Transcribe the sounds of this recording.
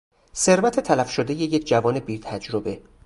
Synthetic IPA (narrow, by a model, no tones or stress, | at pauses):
se̞ɾvæt̪ʰe̞t̪ʰælæfʃod̪eje̞jecʰd͡ʒævɒːnebiːt̪ʰæd͡ʒɾobe̞